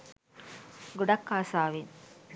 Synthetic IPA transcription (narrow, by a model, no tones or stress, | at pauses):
ɡuɖɐkːaːsaːʋiŋ